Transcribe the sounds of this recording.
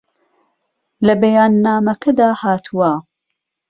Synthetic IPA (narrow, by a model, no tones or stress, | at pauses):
lɐbɐjaːnːaːmɐkʰɐd̪aːhaːt̪ʰuwa